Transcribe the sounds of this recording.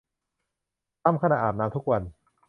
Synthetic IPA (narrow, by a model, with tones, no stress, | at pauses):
t̪a˥˩mkʰa˧na˨˩ʔaː˨˩naː˦˧mt̪ʰu˦˥k̚wa˧n